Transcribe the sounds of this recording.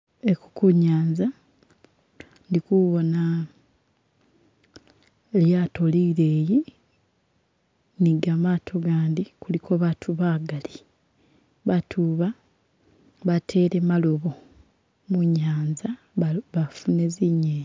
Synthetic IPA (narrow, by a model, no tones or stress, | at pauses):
e̞ku̥kuɲaːɲza | ndikuβo̞na | eljaːto̞liɾe̞ːji | niɡamaːtʰo̞ɡaːndikulikʰo̞βatʰuβaːɡali | βatʰuβa | βatʰe̞ːɾe̞malo̞βo̞ | muɲaːɲza | βafune̞ziɲeː